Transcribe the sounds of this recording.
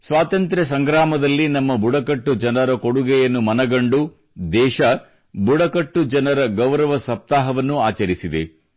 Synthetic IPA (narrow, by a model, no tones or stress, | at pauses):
sʋaːt̪ɐnt̪ɾɐs̬ɐŋɡɾaːmɐd̪ɐlːinɐmːɐbuɽɐkɐʈːud͡ʒɐnɐɾɐkoɽuɡɛjɐnːumɐnɐɡɐɳɖu | d̪ɛːʃɐ | buɽɐkɐʈːud͡ʒɐnɐɾɐɡɐʋɾɐʋɐsɐp̚t̪aːɦɐʋɐnːuaːt͡ʃɐɾisid̪e̞̰